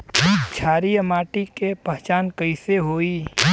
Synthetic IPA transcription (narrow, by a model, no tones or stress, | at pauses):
t͡ʃʰaːɾiəmaːʈikepəɦt͡ʃaːnkəɪseɦoːiː